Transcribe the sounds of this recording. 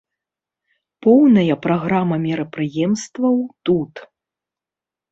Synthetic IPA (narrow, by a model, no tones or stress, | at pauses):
pɔwnɐjɐpɾaɣɾamɐmʲɛɾɐpɾɨjɛmst̪vɐwt̪ut̪